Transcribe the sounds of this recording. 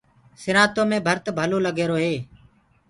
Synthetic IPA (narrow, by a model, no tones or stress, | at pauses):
sɪɾãːt̪oːmẽːbʱəɾt̪bʱəloːləɡeːɾoːɦeː